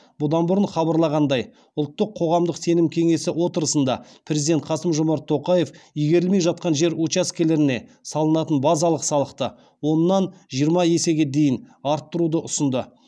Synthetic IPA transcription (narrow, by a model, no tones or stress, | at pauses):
bʊd̪ɑnbʊɾənχɑbɑɾlˠɑʁɑnd̪ɑj | ʊlˠt̪ːəqʰːo̞ʁɑmd̪əqse̞nɪmkʲʰe̞ŋe̞sɪwo̞t̪əɾəsənd̪ɑ̰pʰɾe̞zid̪e̞nt̪qʰɑsəmʒʊmɑɾt̪ʰːo̞qɑje̞fʏjɡʲe̞ɾɪlme̞jʒɑt̪̚qɑnʒe̞ɾut͡ʃaskʲe̞le̞ɾɪne̞sɑlˠənɑt̪ənbɑzɑlˠəqsɑlˠəqt̪ə | wo̞nːɑnʒijəɾmɑje̞se̞ɡʲe̞d̪e̞jɪnɑɾt̪ːəɾud̪əʔʊsənd̪ə